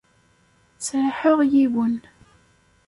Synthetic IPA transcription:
t͡sɾħəʁjiwən

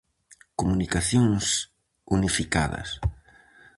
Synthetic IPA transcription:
komunikaθjoŋs | unifika̰ðɐ̰s

